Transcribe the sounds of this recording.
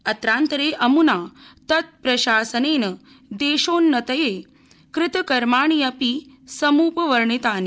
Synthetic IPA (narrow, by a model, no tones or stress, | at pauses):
ɐt̪ɾaːnt̪ɐɾeːʔɐmunaːt̪ɐt̪̚pɾɐʃaːsɐneːnɐ | d̪eːʃoːnːɐt̪ɐjeː | kɾɪt̪ɐkɐɾmaːɳijɐpi | sɐmuːpɐʋɐɾɳit̪aːni